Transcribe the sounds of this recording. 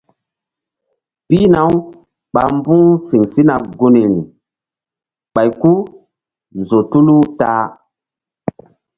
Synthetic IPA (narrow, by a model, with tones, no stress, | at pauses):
pi˦na˨˦w | ɓa˨mbu˦si˨ŋsi˦na˨ɡu˦ni˨ni˨ | ɓa˨jku˦ | zo˨tu˦lu˦taː˦